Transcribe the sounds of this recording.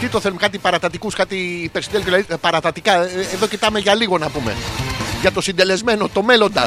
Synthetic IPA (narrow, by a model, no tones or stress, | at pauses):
t̪it̪oθelumkɐt̪̬ipɐɾɐt̪ɐt̪ikuskɐt̪ipeɾsind̪elkolɐðipɐɾɐt̪ɐt̪ikɐeðo̞cit̪ɐme̞ʝɐliɣo̞nɐpumḛʝɐt̪o̞sind̪e̞le̞zme̞no̞t̪o̞me̞lo̞nd̪ɐ